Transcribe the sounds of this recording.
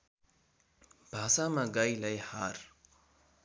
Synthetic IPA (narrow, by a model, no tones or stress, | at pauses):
b̥ʱaːsamaɡailɐjhaːɾ